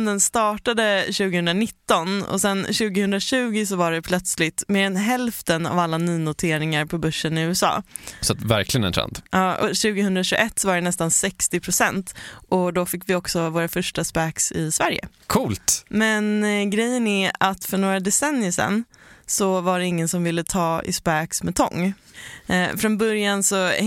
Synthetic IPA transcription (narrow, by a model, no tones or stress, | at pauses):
nd̪ənst̪ɑːʈad̪əɕʉ̟ːɡəhɵnd̪ɾanɪt̪ːɔnɔ̰sɛnɕʉ̟ːɡɪhɵnd̪ɾaɕʉ̟ːɡɪs̬ɔvaɖɛpʰlœt̪slɪt̪meːɾɛnɦɛlft̪əna̰valːanyːnʊt̪ʰeːɾɪŋaɾpʰɔbɵʂːənɪʉ̟ːɛsɑ̰ːsat̪væ̰ɾklɪɡənɛ̰nʰɾɛ̰nd̪ʔɑːʔɔɕʉ̟ːɡəhɵnd̪ɾaɕʉɡʔɛt̪ːsɔvaɖɛnɛst̪ansɛkst̪ɪpʰɾʊsɛnt̪ʔɔd̪ɔfɪkːvɪɔksɔvoːɾafœʂʈaspæːksɪsvæɾjə̰ | kʰuːlt̪mɛnɡɾɛjːənæat̪fœɳoːɾad̪ɛsɛnjəsɛ̰nːsɔvaɖɛɪŋːənsɔmvɪlːət̪ʰɑːɪ̰spæːksmɛt̪ʰɔ̰ŋː | fɾɔnbœɾjansɔ